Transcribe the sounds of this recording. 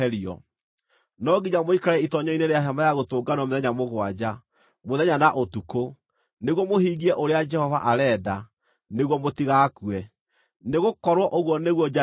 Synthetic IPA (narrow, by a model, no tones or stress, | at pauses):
ɛɾiɔ̰ | nɔɡiɲamoikaɾɛitɔɲɔineɾeaɦamajaɣotoːɡanɔmeðɛɲamoɣwad͡ʑa | moðɛɲanaʔotuko | neɣwɔmoɦiːɣiɛʔoɾead͡ʒɛhɔva̰ʔaɾɛːda | neɣwɔmotiɣakuɛ | neɣokɔɾwɔʔoɣwɔneɣwɔ